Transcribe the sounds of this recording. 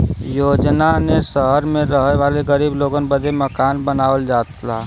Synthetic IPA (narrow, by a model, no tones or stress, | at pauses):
joːd͡ʒnanesəɦəɾmẽɾəɦeʋaːleɡəɾiːbloːɡənbəd̪ʱeməkaːnbənaːəld͡ʒaːt̪laː